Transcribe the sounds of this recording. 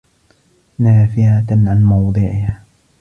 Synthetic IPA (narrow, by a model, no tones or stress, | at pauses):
naːfɪʕaʕanmɑwd̪ˤɨʕɪhaː